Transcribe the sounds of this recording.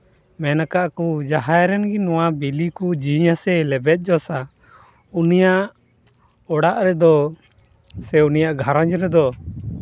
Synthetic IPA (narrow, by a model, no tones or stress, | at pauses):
mɛnakaʔkud͡ʒaɦajɾɛnɡinɔwabilikud͡ʒiɲasɛlɛbɛt̪̚ˀd͡ʒɔsa | unijaʔʔ | ɔɽaʔɾɛd̪ɔ | sɛunijaʔɡʱaɾãɲd͡ʒɾɛd̪ɔ